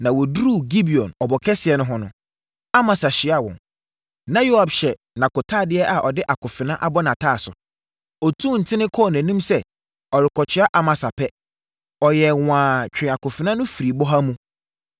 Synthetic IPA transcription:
nã˨wɔ˨du˦ɾu˦˨ɡi˦bi˨ɔ̃˨nɔ˨bɔ˨kʰɛ˦sɪ˨ɛ˨nʊ̃˦ɦɔ˦nʊ̃˦ | a˦mã˨sa˨ɕɪ˨˦a˦wɔ̰̃˨n | nã˦jo˦a˨bɕɛ˨ | nã˨kʊ˨tʰaː˦˨dɪ˦ɛ˦ʔa˨ʔɔ˨dɪ˦ʔa˨kʰʊ˨fɪ˨nã˦ʔa̰˦bɔ˦nã˨tʰaː˦˨sʊ̰˨ | ɔ˨tʰũː˦n̩˨tʰɪ̃˦nɪ̃˦kʰɔ˦˨n˨æ̃˨nĩ˦msɛ˦ | ɔ˨ɾɪ˨kʰɔ˨t͡ɕʰᶣɪ˨˦a˦ʔa˨mã˨sa˨pʰɛ˦ | ɔ˨jɛ˨wʷãː˨t͡ɕᶣɪ̃˨a˨kʊ˨fɪ˨nã˦nʊ̃˦fi˨ɾi˨bɔ˦ɦa˦mũ˦

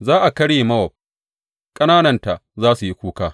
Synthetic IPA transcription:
zaː˦ʔa˨kɐ˦ɽjeː˨mɐ˦wɔ˨b̚ | kʼɐ˦naː˦nɐ˦˨nta˨ʔzaː˦su˨ji˦kʷuː˦kaː˦

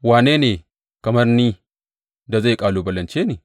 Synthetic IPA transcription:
waː˨neː˦neː˨ | kɐ˨mɐ˦rniː˦ | da˨za˦˨kʼaː˨loː˨bɐ˨lɐ˨nt͡ʃeː˦neː˨

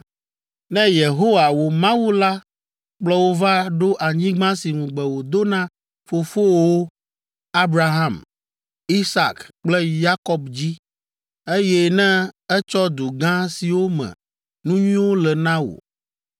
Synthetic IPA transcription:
nɛ̃˦je˨ɦo˦wa˨wo˨mã˦wu˦la˦ | k͡plɔ˦wo˦va˦ɖo˦ʔa˨ɲĩ˦ɡ͡bã˦si˨nũ˨ɡ͡bɛ˨wo˨d̪o˦nã˦ | fo˨fo˦wo˦ | a˦bɾa˦ɦã˦˨m | i˦sa˨kk͡plɛ˦ja˦kɔ˦bd͡ʑi˦ | e˦jɛ˦nɛ̃˦ɛ˦t͡ʃɔ˦d̪u˨ɡã˦si˨wo˦mɛ̰̃˨ | nũ˦ɲĩ˦wo˦lɛ˨nã˦wo̰˨

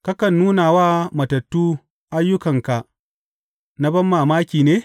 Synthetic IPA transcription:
ka˦kɐ˨nːuː˦naː˨waː˦mɐ˨tɐ˨tːuː˦ | ʔa˦jːʊ˦kɐ˨ŋka˨ʔ | na˦bɐ˦mːaː˨maː˦kʲiː˨neː˦

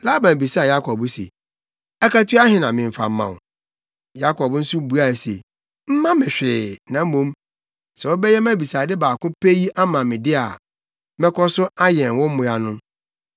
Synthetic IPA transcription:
la˦bã˨bi˨sa˦˨ja˦kʰɔ˨bʊ˦sḛ˨ | ɛ˦ka˦tʰu˦a˦hɪ̃˨nã˨mɪ̃˨ɱ˨fa̰˨m̩˦mã̰˨ | ja˦kʰɔ˨bn̩˦sʊ˦bu˦a˦˨sḛ˨ | m̩˦mã˦mɪ̃˨ɕᶣɪ˨nã˨m̩˦mõ˦m | sɛ˨wɔ˦bɛ˦jɛ˦mã˦˨bi˨saː˨dɪ˦baː˨kʊ̃˦pʰe˦ji˦ʔa˦mã˨mɪ̃˨dɪ˦a˨ | mɛ̃˦kʰɔ˦sʊ˦a˦jɛ̃˨n˨wɔ̃˦m̩˦mʊ̃˨ja˨nʊ̃˦

